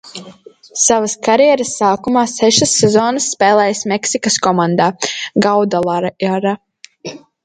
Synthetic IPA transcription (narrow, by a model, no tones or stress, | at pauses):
savaskaɾjɛɛɾəsːaːkumaːsɛʃɨsːɛzoːnɨsːpɛːlˠɛːjəsmɛksikɐskɔmãnd̪aːɡawd̪alˠaɾaɾa